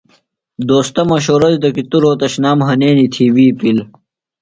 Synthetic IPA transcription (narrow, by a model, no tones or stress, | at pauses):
d̪oːst̪ɐmɐɕ̬oːɾɐd̪id̪ɐkit̪uɾoːt̪ɐɕnaːmɦɐneːnit̪ʰiwiːpil